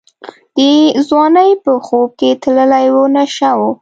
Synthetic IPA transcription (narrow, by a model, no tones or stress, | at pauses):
d̪̥əzwɑnəjpəxob̚ket̪ləlajwonaʃawo